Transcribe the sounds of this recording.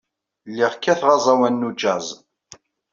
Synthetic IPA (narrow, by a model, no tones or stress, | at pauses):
lːiʁkːæθʁɑzˤɑwænːud͡ʒæzˤ